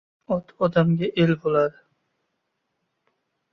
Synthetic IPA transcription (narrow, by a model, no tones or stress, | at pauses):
ɒt̪ʰɒd̪amɡʲaʔelbolˠad̪ɪ